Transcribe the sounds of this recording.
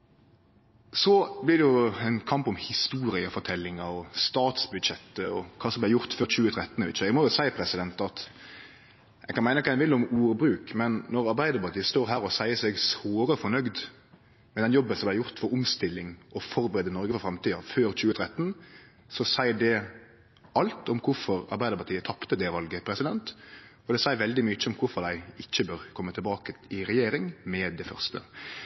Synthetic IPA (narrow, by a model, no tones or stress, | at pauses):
sɔblɪd̪ɛjʊɛnkʰɑmpɔmhɪst̪uːɾɪəfɔʈ̪ʰɛlːɪŋɑɔst̪ɑːt̪sbʉd̪ɕɛt̪ːəɔkʰɑːsɔmblæjʊɾt̪føːɾt͡ɕʉːət̪ʰɾɛt̪ːənʋɪ̰t̪ʃəɛɡmɔjʊsæɪpʰɾɛsɪd̪ɛnt̪ɑt̪ | ɛɡkɑnæɪnəkɑːɪnʋɪlːʊmuːɾbɾʉːkmɛnːɔɾɑɾbæɪd̪əpɑɾt̪ʰiːst̪oːɾɦæːɾɔsæɪəsɛɡsʋoːɾəfɔɾnœɡd̪ | mɛd̪ɛnjɔbːənsɔmb̪læɪjʊʁt̪fɔɾʊmst̪ɪlːɪŋɔfɔɾbəɾɛːd̪ənɔɾɡəfɔfɾɑmt̪iːɑføːɾt͡ɕʉːət̪ʰɾɛt̪ːən | sɔsæɪəɖɛ | ɑlt̪ɔmkʰʊɾfɔɾɑ̰ɾbæɪəɾpɑt̪iːət̪ʰɑpt̪əd̪ɛʋɑlɡəpʰɾɛsɪd̪ɛnt̪ɔd̪ɛsæɪɾʋɛld̪ɪmyːt͡ʃːəʊmkʰʊfɔɾd̪æɪɪçːəbøːʁkʰɔmːət̪ʰɛlbɑːkəɪɾɛjeːɾɪŋmɛd̪ɛfœ̰ʁst̪ə̰